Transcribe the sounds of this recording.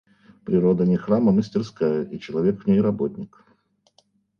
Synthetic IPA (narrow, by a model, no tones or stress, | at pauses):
pɾʲɪɾod̪ənʲɪxraməmɨsʲtʲɪrskajəit͡ɕɪlˠɐvʲe̞kvnʲejɾɐbotʲnʲɪk